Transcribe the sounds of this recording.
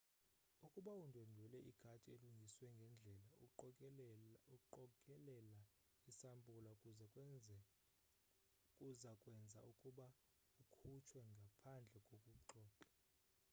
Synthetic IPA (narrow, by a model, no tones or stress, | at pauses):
ukʼuɓaundʱondʱwɛlɛʔiɡ̥ʱatʼieluŋɡʱiswɛŋɡʱɛnd͡ɮʱɛla | uɔkʼɛlɛla | isambʱʼulakʼu | kʼuzakʼwɛnd͡zʱa̰ukʼuɓa | ukʰut͡ʃʰwɛŋɡʱapʰand͡ɮʱɛkʼokʼuǃɔːǃʼḁ